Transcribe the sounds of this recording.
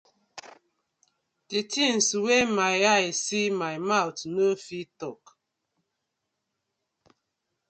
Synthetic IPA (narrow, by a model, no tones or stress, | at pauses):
titin̩suwemajasimajmawtnəfitɔk